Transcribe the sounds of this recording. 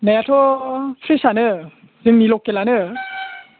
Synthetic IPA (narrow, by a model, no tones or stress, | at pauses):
najatʰɔpʰɾisanɯ | zɯŋnilɔkːelanɯ